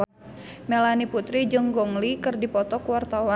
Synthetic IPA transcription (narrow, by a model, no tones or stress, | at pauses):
mɛlaniput̪ɾid͡ʒɨŋɡɔŋlikɨrdipɔt̪ɔkuwart̪awa